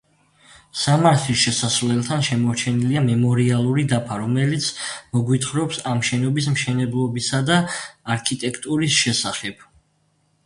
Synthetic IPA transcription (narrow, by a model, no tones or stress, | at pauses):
samaɾt̪ʰlisʃɛsasvlɛlˠt̪ʰanʃɛmɔɾt͡ʃʰɛniliamɛmɔɾialˠuɾid̪apʰaɾɔmɛlit̪sʰmɔɡwit̪ʰχɾɔpsamʃɛnɔbismʃɛnɛblˠɔbisad̪aːɾkʰit̪ʼɛkʰt̪ʼuɾisʃɛsaχɛb̥